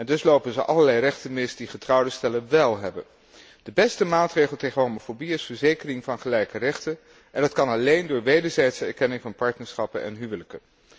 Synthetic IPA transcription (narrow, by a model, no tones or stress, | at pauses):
ɛndɵslowpənzəʔɑləɹlɛjrɛχtənmɪsd̥iχətrɑwdəstɛlənʋɛlˠɦɛbə̰n | d̥əbɛstəmaːtrejχəl̩ˠtejχənɦomofobiɪsfəɹzejkərɪŋvɑnχəlɛjkərɛχtə | ʔɛndɑtkɑnɑlejndʊːɹʋejdəɹzɛjtsəɛɹkɛnɪŋvɑnpɑɹtnəɹsχɑpənɛ̰nɦyʋələkə